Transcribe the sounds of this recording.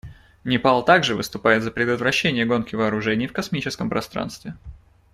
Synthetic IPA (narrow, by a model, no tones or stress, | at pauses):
nʲɪpalˠt̪aɡʐɨvɨ̰st̪ʊpajɪt̪zəpɾʲɪd̪ət̪vɾɐɕːenʲɪjəɡo̞nkʲɪvɐːɾʊʐɛnʲɪjfkɐsmʲit͡ɕɪskəmpɾɐst̪ɾa̰nst̪vʲɪ